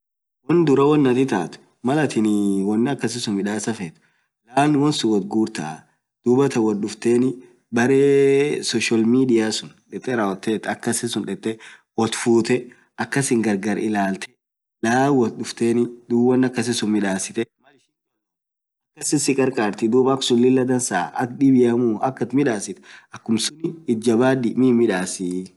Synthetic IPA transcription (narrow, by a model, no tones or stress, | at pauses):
wnd̪ʊɾɐwɔnːɐt̪ɪt̪a̰ːt̪ʊ̥ | mɐlɐt̪ɪnɪwɔnːɐkːɐs̬ɪsʊmɪᶑaːsɐfet̪ | laːnwɔnsʊwɔt̪̚ɡuːɾt̪ɐʔ | d̪̥uːbɐt̪ɐwɔt̪ɗʊft̪eːnɪ | bɐɾeːsɔʃɐlmiːd̪ɪjaːsʊnᶑɛt̪ʼːɛɾɐwɔt̪ːeːt̪ːɐkːɐsɪsʊnᶑɛt̪ʼːɛwɔt̪fuːt̪ɛ | ʔɐkːɐsɪŋɡɐɾɡɐɾɪlaːlt̪ʰɛ̥ | laːwwɐt̪ᶑʊft̪eːnɪd̪uːbɐnːɐkːɐs̬ɪsʊnmɪᶑaːsɪt̪ɛ | ɐkːɐsɪsɪkʼɐɾkʼaːɾt̪ɪd̪uːbɐksʊnlɪlːɐd̪ɐnsaːɐ̰kᶑɪbɪjɐmuːɐkːɐt̪mɪᶑaːsɪt̪ɛ̥ɐkːʊmsʊnɪːd͡ʒːɐbaːd̪ɪmimɪᶑaːsi